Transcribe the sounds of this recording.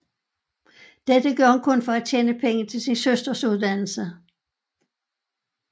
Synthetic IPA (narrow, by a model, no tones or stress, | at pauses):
d̥ed̥əɡ̥ɶɐhɒnkʰɔ̽nfɒ̽æt͡ɕʰjeːnəpʰeŋət͡sʰe̝lsinsøsd̥ɐsuð̞ˠd̥æn̰l̩sə